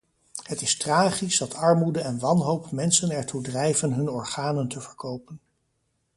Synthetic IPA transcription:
ɦətɪstraːχizdɑtɑɹmudəɛnʋɑnɦowpmɛnsənɛɹtudrɛjvənɦɵnɔɹχaːnəntəvəɹkowpən

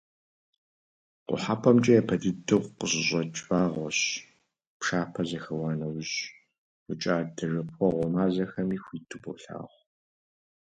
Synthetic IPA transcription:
qʷʊ̰ħapʰʼɐmt͡ʃʼɐjɛpʰɐdɨdɨʁʷqəɕɪɕʼɔt͡ʃʼfaːʁʷɔɕ | pʂaːpʰɐzɐxɐwɑːnɐwʑ | rɨt͡ʃʼaːdʰɨrɨpʷʰɔʁʷɔmaːzɐxɐmiːxʷiːtʰɨbɔ̰ɬa̰ːʁʷ

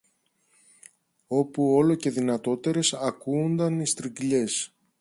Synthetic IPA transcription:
o̞puo̞lo̞ce̞ðinɐt̪o̞t̪e̞ɾe̞sɐkuːnd̪ɐnist̪ɾiɡʎe̞s

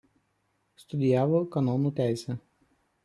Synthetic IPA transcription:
st̪ʊd̪ʲɪjæːʋoːkɐnɔnuːt̪ʲæˑɪsʲɛ

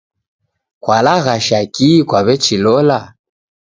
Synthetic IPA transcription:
kwalaɣaʃakikwaβɛt͡ʃilɔla

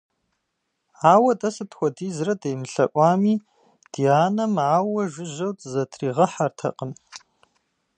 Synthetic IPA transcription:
aːwɐtʼɐsɨtʰxʷɔdiːzrɐdejmɨɬɐ̰ʔʷʼaːmiː | d̥iaːnɐmʕaːwɐʒʷɪʒɐwtʰʼzɐtʰriːʁɐħartʰɐ̰qʼəm

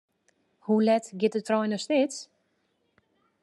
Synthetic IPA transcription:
hulɛtɡɪtətʰrɔjnəsnɪt͡s

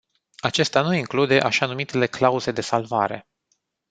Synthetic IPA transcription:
at͡ʃe̞st̪anuiŋklud̪e̞ʔaʃanumit̪e̞le̞klauze̞d̪e̞salva̰ɾe̞̰

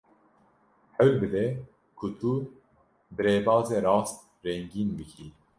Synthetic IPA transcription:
ħɛwlbɨd̪ɛ | kʰut̪u | bɨɾeːbɑːzeːɾɑːst̪̚ | ɾɛŋɡiːnbɨkʰi

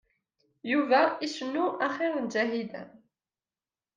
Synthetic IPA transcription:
juvæiʃənːuʔæχiʁnd͡ʒæɦid̪æ̰

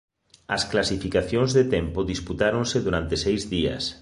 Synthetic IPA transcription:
ɐsklasifikaθjõŋzðet̪ɛmpoðisput̪aɾõnseðuɾant̪esejzðiɐ̰s

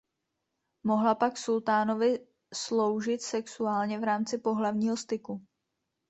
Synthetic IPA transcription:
mo̞ɦlapaksult̪aːno̞vɪ | slo̞wʒɪt̪sɛksuaːlɲɛvɾaːmt͡sɪpo̞ɦlavɲiːɦo̞st̪ɪku

